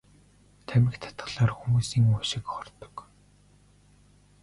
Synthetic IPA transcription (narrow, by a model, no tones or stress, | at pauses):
t̪ʰæmʲɪ̆xt̪ʰḁt̪ɢ̥ə̆ɮaːrxumuːsiːŋʊʃɪ̆kχɔr̥t̪ɞ̥̆k